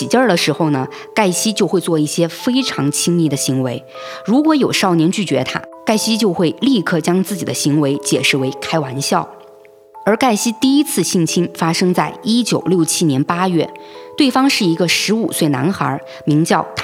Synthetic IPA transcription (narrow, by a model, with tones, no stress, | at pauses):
i˨˩t͡ɕə˞˥˧˩lə˩ʂɻ̩˧˥xo˥˧ʊnə˩ | ka˥˩ɪɕi˥t͡ɕjo˥˧ʊxwe˥˧ɪt͡swɔ˥˧i˥˩ɕjɛ˥fe˥ɪʈ͡ʂʰɑ˧˥ŋt͡ɕʰi˥ŋli˧˥˩d̪ə˨ɕi˧˥ŋwe˧˥ɪ | ɻu˧˥kwɔ˧˥jo˨˩ʊʂɑ˥˩ʊnjɛ˧˥nt͡ɕy˥˩t͡ɕɥɛ˧˥t̪ʰa̰˥ka˥˩ɪɕi˥t͡ɕjo˥˧ʊxwe˥˧ɪli˥˧kʰɤ˥˧t͡ɕjɑ˥ŋt͡sɹ̩˥˩t͡ɕi˨˩d̪ə˦ɕi˧˥ŋwe˧˥ɪt͡ɕjɛ̰˨˩ʂɻ̩˥˩we˧˥ɪkʰa˥ɪwa˧˥nɕjɑ˥˩ʊ | ə˞˧˥ka˥˩ɪɕi˥t̪i˥˩i˥t͡sʰɹ̩˥˧ɕi˥˩ŋt͡ɕʰi˥ŋfa˥ʂɤ˥ŋt͡sa˥˩ɪi˥t͡ɕjo˨˩ʊljo˥˩ʊt͡ɕʰi˥njɛ˧˥npa˥jɥɛ˥˩t̪we˥˩ɪfɑ˥ŋʂɻ̩˥˩i˧˥ɡə˧ʂɻ̩˧˥u˨˩swe˥˩ɪna̰˧˥nxə̰˞˧˥ | mi˧˥ŋt͡ɕjɑ˥˩ʊt̪ʰ